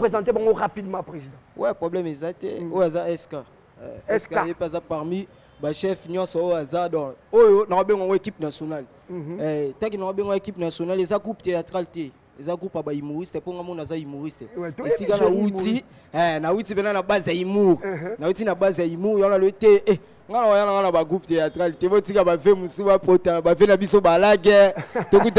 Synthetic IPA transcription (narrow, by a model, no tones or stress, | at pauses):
pχezɑ̃t̬ebaŋɡoʁapid̪mɑ̃pʁezid̪̃wɛpʁoblɛmezatɛ̰ojoazaɛska | ɛ̰ɛskaepazapaʁmi | baʃɛfnjɔ̃sojazadɔ̃ojonakobeŋɡaŋɡoekipnasjonal | ɛtak̬inakobeŋɡaekipnasjonalezaɡʁupteatʁaltɛ | ezaɡʁupabaimoʁistɛpoŋɡamɔnzaimoʁistɛesikanawuti | ɛnawutipɛnanabazjaimuʁnawutinabazaimuʁjãnalobitee | ŋɡanakoanaŋɡanabaɡʁuptejatʁaltebotikabavemusubapotabavenabisobalaɡɛtokut